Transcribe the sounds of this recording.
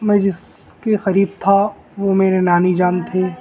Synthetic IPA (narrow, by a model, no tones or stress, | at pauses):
mɛ̃ːd͡ʒɪskexɐɾiːb̚t̪ʰa | ʋomeːɾenaːnid͡ʒaːnt̪ʰeː